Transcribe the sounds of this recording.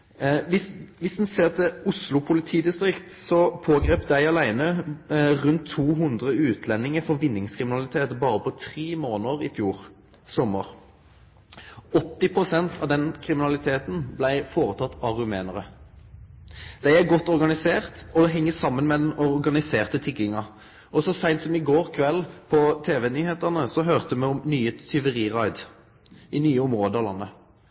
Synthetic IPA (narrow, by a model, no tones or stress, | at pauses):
ʋɪsʋɪsd̪n̩seːʁt̪ʰɪʊslʊpʰʊlɪt̪ʰiːd̪ɪst̪ɾɪkt̪sɔpʰoːɡʁeːpd̪æɪɑlæɪnə | ʁʉnt̪ʰːuːɦʉnd̪ʁəʉːt̪ʰlɛnːɪŋəfɔʋɪnːɪŋskʰʁɪmɪnɑlɪt̪ʰeːt̪bɑːɾəpɔt̪ʰʁiːmoːnəʁɪfjuːʁ | sɔməʁ | ɔt̪ːɪpʰʁʊsɛnt̪ʰɑʋd̪ɛnkʰɾɪmɪnɑlɪt̪ʰeːt̪n̩blæɪfoːʁət̪ʰɑt̪ːɑʁʉmeːnəʁə | d̪̥æɪæɾɡɔt̪ːɔʁɡɑnɪseːʁt̪ɔd̪ɛɦɛŋːəsɑmːənmɛd̪ɛnɔʁɡɑnɪseːʁt̪ət̪ʰɪk̪ɪŋɑ | ʔɔsɔsæɪnt̪sɔmɪɡoːʁkʰʋɛlpʰɔt̪ʰeːʋɛnyːheːt̪əʁnəsɔɦøːʁt̪əmɛɔmnyːət̪ʰʏʋəʁiːʁɑɪd̪ | ɪnyːəɔmʁoːd̪əɑʋlɑnːə